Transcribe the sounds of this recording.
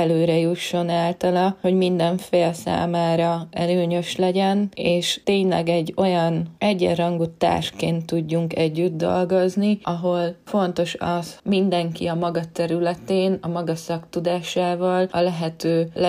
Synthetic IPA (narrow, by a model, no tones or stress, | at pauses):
ɛløːɾɛjuʃːo̞naːlt̪ɒlɒho̞ɟmind̪ɛɱfeːlsa̰ːmaːɾɒɛ̰løːɲø̞ʃlɛɟɛneːʃt̪eːɲlɛ̰ɡɛɟːo̞jɒnɛɟːɛ̰rɒŋɡut̪ːa̰ːrʃkeːnt̪ːuɟːuŋkɛɟːyd̪d̪o̞̰lɡo̞zniɒɦo̞lfo̞nt̪o̞ʃɒsmind̪ɛŋkḭɒmɒɡɒt̪ɛɾylɛt̪eːnɒmɒɡɒsɒkt̪ud̪aːʃaːvɒlɒlɛɦɛt̪øː